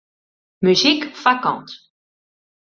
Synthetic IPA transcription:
myzikfakɑ̰̃t̪

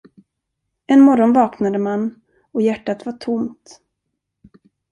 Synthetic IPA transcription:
ɛnmɔɾɔnvɑːknad̪əman | ɔjæʈːat̪vaʈʰʊmt̪

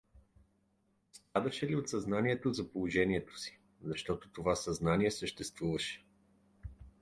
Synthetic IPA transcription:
st̪ɾad̪ɐʃɛliot̪sɐznaniɛt̪ozɐpolˠoʒɛniɛt̪o̥si̥ | zɐʃt̪ɔt̪ot̪ovasɐznaniɛsəʃt̪ɛst̪vuvɐʃɛ̥

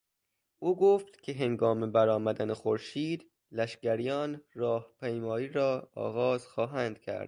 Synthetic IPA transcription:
ʔuːɡoːft̪kʲʰeɦeŋɡɒːmebæɾɒːmæd̪ænexoɾʃiːd̪ | læʃɡæɾijɒːnrɒːhpʰejmɒːiːɾɒːɒ̰ːɣɒːz̥xɒːɦænd̪̥̚kʰæ̰ɾd̪̥

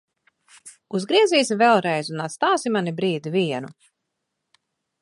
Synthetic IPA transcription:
uzɡɾiɛziːsivɛlˠɾɛjzunat̪st̪aːsimanibɾiːd̪iviɛnu

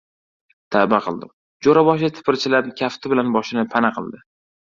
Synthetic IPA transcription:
t̪ʰabaqʰɨlˠd̪ɪ̰m | d͡ʒoɾabɒʃat̪ʰɪ̥pʰɪɾt͡ʃʰɪlapkʲʰaft̪ʰɪbɪlanbɒʃɪnɪpʰanaqʰɨ̰lˠd̪ɪ

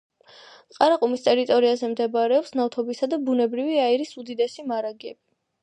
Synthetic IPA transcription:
qʼaɾaqʼumist̪ʼɛɾit̪ʼɔɾiazɛmd̪ɛbaɾɛɔpsnaft̪ʰɔbisad̪abunɛbɾiviaiɾisud̪id̪ɛsimaɾaɡɛbi

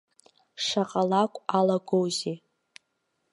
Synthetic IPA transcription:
ʂaqʼalakʷʼalaɡʷowzi

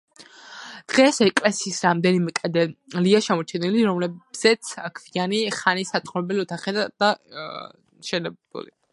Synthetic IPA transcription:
d̪̥ʁɛsɛkʼlɛsiːsɾamd̪ɛnimɛkʼad̪ɛliaʃɛmɔt͡ʃʰɛniliɾɔmlɛbz̥ɛt̪sʰakʰvianiχanisat̪ʼχʼɔɾɛbɛliɔt̪ʰaχɛd̪̥a | ʃɛnɛbṵlḭ

